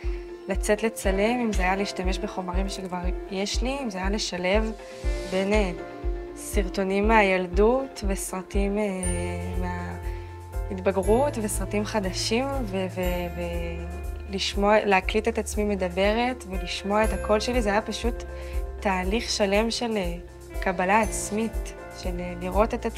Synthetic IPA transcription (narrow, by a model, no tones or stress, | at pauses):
lat͡se̞tle̞t͡sale̞mimzeajaleiʃtame̞ʃbe̞χo̞maʁimʃekvaʁje̞ʃliːmzeajale̞ʃale̞v | be̞ne | siʁto̞nimːeajaldutve̞sʁatimemea | itbaɡʁutvesʁatimχadaʃimveveve | liʃmoaleaklite̞tat͡smime̞dabe̞ʁe̞tveliʃmo̞aethako̞lʃe̞lizeajapaʃutː | aːliχʃale̞mʃe̞le | kabalaːt͡smit | ʃe̞leliʁo̞te̞ta